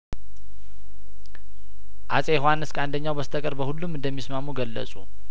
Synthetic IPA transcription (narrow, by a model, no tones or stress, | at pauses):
ʔasʼeɦoanɨskand̪əɲːawbəst̪ʰəkʼəɾbəhulːumɨnd̪əmːismamuɡəlːə̰sʼṵ